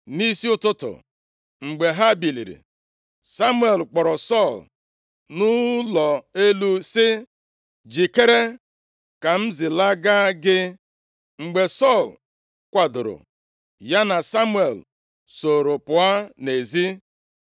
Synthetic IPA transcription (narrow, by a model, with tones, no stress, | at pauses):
ni˦si˦ʊ˦tʊ˦tʊ̰˨ | ŋ͡m̩˨ɡ͡be˨ɦa˦bi˨lḭ˨ɾḭ˨ | sa˦mwe˨lk͡pɔ˨ɾɔ˨sɔ˦˨l | nʊ˦lɔ˨e˦lu˦sɪ˦ | d͡ʒi˨ke˦ɾe˦ | ka˨m̩˦zɪ˨la˦ɡa˦ɡɪ˦ | ŋ͡m̩˨ɡ͡be˨sɔ˦˨l | kʷa˨dʊ̰˨ɾʊ̰˨ | ja˦na˨sa˦mwe˨l | so˨ɾʊ˨pʊ˨a˦ne˨zi˦